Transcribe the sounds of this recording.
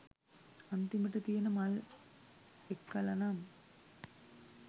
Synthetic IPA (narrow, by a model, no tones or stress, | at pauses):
ɐnt̪imiʈːɐt̪ijɐnɐmal | ekːɐlɐnaːm